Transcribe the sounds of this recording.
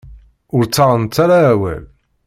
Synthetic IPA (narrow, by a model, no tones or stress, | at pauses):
ʊɾt͡sːɑʁˤənt͡s̪ːaɾaːwæ̰l